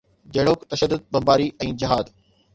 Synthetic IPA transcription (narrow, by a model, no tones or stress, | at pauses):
d͡ʑɐːɽoːkt̪ɐʃəd̪ːʊd̪̚bɐ̃mbaːɾiʔɛ̃ːd͡ʑɪɦaːd̪